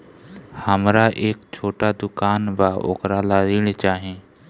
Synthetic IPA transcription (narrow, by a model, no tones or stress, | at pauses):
həmɾaːʔeːkt͡ʃʰoːʈaːd̪ʊkaːnbaːʔo̰ːkɾaːlaːziːɽt͡ʃaːɦẽː